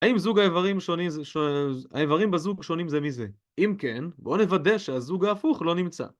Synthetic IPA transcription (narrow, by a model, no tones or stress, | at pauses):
aimzuɡaevaʁimʃonimzʃoa̰evaʁimbezuɡʃo̞nimzemize | imke̞nbo̞nevade̞ʃeazuɡaːfuχlo̞nimt͡sa̰